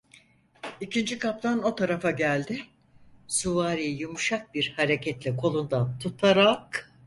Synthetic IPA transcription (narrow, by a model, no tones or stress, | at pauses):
icʰind͡ʒikʰap̚t̪ʰano̞t̪ʰaɾafaɟælʲd̪ɪ | suvaːɾijjumuʃak̚biɾhaɾecʰɛt̪lʲɛkʰo̞lˠund̪ant̪ʰut̪ʰaɾak